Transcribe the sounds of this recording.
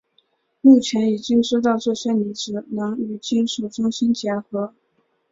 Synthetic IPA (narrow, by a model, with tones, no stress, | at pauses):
mu˥˩t͡ɕʰjɛ˧˥ni˨˩t͡ɕi˥ŋʂo˥t̪ɑ˥˧ʊʈ͡ʂɤ˥˧ɕɛ˥nni˧˥ʈ͡ʂɻ̩˨˩nɤ˧˥ŋy˨˩t͡ɕi˥nʂu˨˩ʈ͡ʂʊ˥ŋɕi˥nt͡ɕjɛ˧˥xɤ˧˥